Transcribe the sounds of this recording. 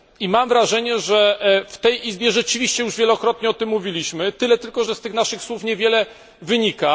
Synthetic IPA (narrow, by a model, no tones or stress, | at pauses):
imamvɾaʐɛɲɛʐɛft̪ɛjʔizbʲjɛʐɛt͡ʂɘvʲiɕt͡ɕɛjuʐvʲjɛlɔkɾɔt̪ɲɛɔt̪ɘmːuvʲilʲiɕmɘt̪ɘlɛt̪ɘlkɔʐɛst̪ɘxnaʂɘxswufɲɛvʲjɛlɛ | vɘɲika